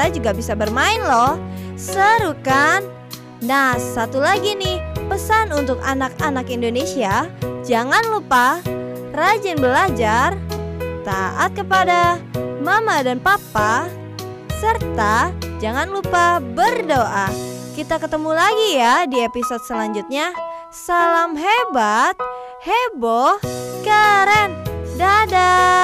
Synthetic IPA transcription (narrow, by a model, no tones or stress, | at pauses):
ad͡ʒuɡabisabərmaɪnlɔhsəɾukanː | ahsat̪ulaɡinɪhpəsanunt̪ʊkanakanakindonesiad͡ʒaŋanlupa | rad͡ʒɪnbəlad͡ʒart̪aʔat̪̚kəpadamamadanpapa | sərt̪ad͡ʒaŋanlupabərdoʔakit̪akət̪əmulaɡijadiepisod̚səlaɲd͡ʒut̪̚ɲa | salamɦebat̪̚ | hebokəɾɛndada